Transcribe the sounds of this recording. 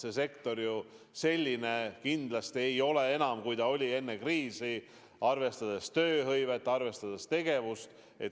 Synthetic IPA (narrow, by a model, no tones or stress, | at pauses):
sese̞kt̪o̞rju | se̞lʲːinekind̪lɑst̪ie̞jo̞le̞e̞nɑmkujt̪ɑo̞lʲie̞nːekriːsi | ɑrve̞st̪ɑd̪̥est̪øːɦɤjve̞t̪ːˑɑrve̞st̪ɑd̪̥est̪e̞ɡ̥e̞vust̪ | e̞t̪